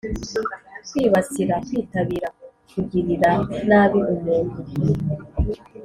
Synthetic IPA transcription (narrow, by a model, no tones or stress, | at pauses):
kwiːβat͡siɾakwiːtaβiɾa | kuɡiɾiɾanaːβiʔumeːnɡi